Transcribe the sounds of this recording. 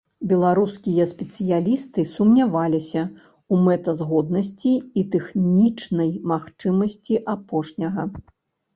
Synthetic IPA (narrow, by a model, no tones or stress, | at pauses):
bʲɛlˠaɾuskʲijɐspʲɛt̪sɨjalʲist̪ɨsumnʲavalʲisʲɐ | umɛt̪ɐzɣɔd̪̚nɐs̬ʲt͡sʲiːt̪ɛxnʲit͡ʂnɐjmaxt͡ʂɨmɐsʲt͡sʲiʔapɔʂnʲɐɣɐ